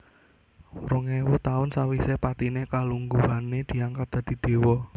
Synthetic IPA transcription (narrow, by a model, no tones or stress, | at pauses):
ɾʊŋewʊt̪aʊnsawisepat̪inekaluŋɡuɦaned̪̥i̤aŋkad̪̥a̤d̪̥i̤d̪̥e̤wɔ